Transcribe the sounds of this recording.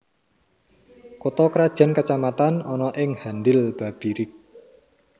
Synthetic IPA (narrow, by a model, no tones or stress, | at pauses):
kot̪ɔkɾad̥ʒ̥a̤nkat͡ʃamat̪anɔnɔʔɪŋhandɪlb̥a̤b̥iɾɪk̚